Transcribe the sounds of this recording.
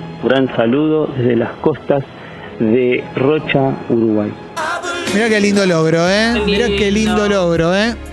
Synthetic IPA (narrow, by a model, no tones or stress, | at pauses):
ɡɾansaluðo̞ðezðelaskost̪az | ðerot͡ʃauɾuɣwaj | miɾakelind̪oloɣɾoemiɾakelind̪oloɣɾoe